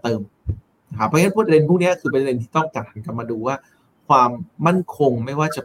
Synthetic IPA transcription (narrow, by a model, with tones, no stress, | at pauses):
t̪ɤː˧m | na˧˩kʰa˦pʰːɔ˥˧n˦˥pʰu˥˩t̪ɾe˧npʰuː˥˩k̚ni˦˥ɐkʰɯː˧p̬e˧de˧nt̪ʰiː˥˩t̪ɔ˥˩ŋt͡ɕa˨˩t̚hʰa˨˧˦nka˧p̚maː˧duː˧waː˥˩ | kʰwaː˧mːa˥˩nkʰo˧ŋma˥˩jwaː˥˩t͡ɕa˨˩